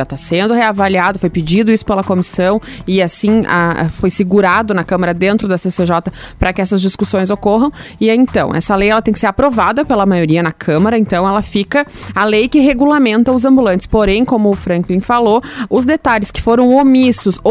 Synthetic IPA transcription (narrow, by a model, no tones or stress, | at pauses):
ɐt̪asẽnd̪ʊheavaliad̪ʊfojpɪd͡ʒid̪ʊisʊ̥pelɐkomisɐ̃w̃ | ɪasĩa̰ɛ̰fojsɪɡuɾad̪ʊnɐkɐ̃mɐɾɐd̪ẽnt̪ɾʊd̪ɐseseʒɔt̪ɐ | pɾɐkɪɛsɐzd͡ʒiskusõj̃zokɔɦɐ̃w̃ɪẽnt̪ɐ̃w̃ʔɛ̰sɐlejɛlɐt̪ẽkɪseɾapɾovad̪ɐpelɐmajoɾiɐnɐkʰɐ̃mɐɾɐẽnt̪ɐ̃w̃ɛlɐfikɐalejkɪɦeɡulamẽnt̪ɐʊzɐ̃mbulɐ̃nt͡ʃɪ̥spoɾẽj̃kõmʊːfɾɐ̃klĩfaloʊzd̪et̪aʎɪskɪ̥foɾɐ̃w̃omisʊso